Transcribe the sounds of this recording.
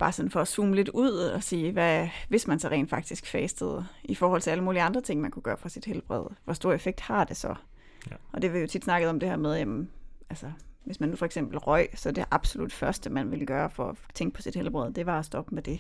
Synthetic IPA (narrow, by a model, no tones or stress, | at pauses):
b̥ɑ̈ːsɒ̽nfɒ̽ːsuːməle̝d̥uð̰ˠɒ̽siːʋæʋe̝smænsɒʁḛɪnd̥fɑ̈ɡ̥̚d̥isɡ̥fɛːsd̥əð̞̩ˠifɒːhɒ̽l̰t͡sʰe̝æləmuːliɑ̈nd̥ʁɐt͡sʰe̝ŋ̰mænkuɡ̥ɶːɐfʁɑ̈sid̥helb̥ʁɛ̰ð̞̰ˠʋɒsd̥o̝ɐ̰efeɡ̥̚d̥hɑ̈d̥e̝sɒ̽ | ɒ̽d̥e̝ʋɑjo̝t͡sʰid̥snɑ̈ɡ̥ð̩ˠɒ̽md̥e̝hæɐ̰með̞ˠjemælsəʋe̝smænːufɒ̽eɡ̥semb̥l̩ʁɒɪ̰sɒ̽d̥eʔɑ̈b̥so̝lud̥fɶɐsd̥əmænʋe̝lɡ̥ɶːɐfɒɒt͡sʰeŋɡ̥̚pʰɒ̽sid̥helb̥ʁɛð̞̰ˠd̥e̝ʋɑ̈ɒsd̥ɒ̽b̥əmed̥e̝